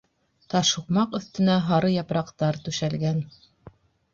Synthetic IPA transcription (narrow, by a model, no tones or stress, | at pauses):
t̪ɑʃuqmɑqɵ̆θt̪ɘ̆næɦɑɾɤjɑpɾɑqt̪ɑɾt̪ʉʃælɡæn